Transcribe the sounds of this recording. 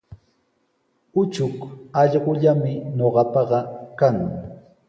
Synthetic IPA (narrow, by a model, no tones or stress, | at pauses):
ʊt͡ʃʊkɑʎɢʊʎamɪɲoɢɑpɑɢɑkaŋ